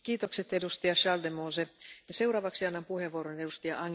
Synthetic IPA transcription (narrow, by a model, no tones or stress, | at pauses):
kiːt̪okset̪edust̪iɑʃɑldemosejɑse̞uwɾɑːʋɑksiɑnːɑmpuheʋːuoɾonedust̪ijɑʔɑŋ